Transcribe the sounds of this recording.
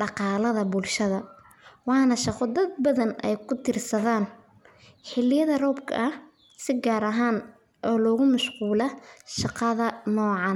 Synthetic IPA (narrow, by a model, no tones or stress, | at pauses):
ɖɑqɑːlɐðɐbʊlʃɐðɐ | wɑːnɐʃɑqɔd̪ɐd̪̚bɐðɐnɛ̰jkʰʊt̪ʰɪrsɐðaːn | ħɪlɪjɐðɐrɔːbkʰɐ̰ʔɐh | sɪɡaːɾɐɦaːn | ʔɔːlɔːɣʊmʊʃquːlɐʃɑqɑðɐnɔːʕɑn